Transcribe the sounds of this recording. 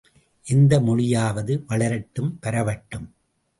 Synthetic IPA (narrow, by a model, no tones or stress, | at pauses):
ʔɛnd̪ɐmɔɻɪjaːʋɐðɯʋɐɭɐɾɐʈːɯmpɐɾɐʋɐʈːɯm